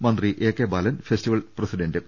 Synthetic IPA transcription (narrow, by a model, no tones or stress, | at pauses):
mɐnd̪riʔeːkːeːbɐːlɐnfestiʋɐlprɐsiɖɐndɨ